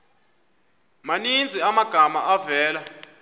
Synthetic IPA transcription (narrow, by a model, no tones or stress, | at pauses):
manind͡zʱiamaɡ̥ʱamaʔavɛːla